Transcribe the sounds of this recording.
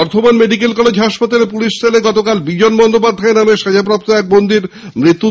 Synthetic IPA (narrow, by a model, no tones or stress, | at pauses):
ɔɾt̪ʰomanmeɖik̬elkɔled͡ʑɦaʃpat̪alepuliʃt̪ʰaleɡɔt̪okalbid͡ʑonbɔnd̪opad̪ʱːaenameʃad͡ʑap̬ɾap̚t̪oɛk̚bond̪iɾmɾit̪ːu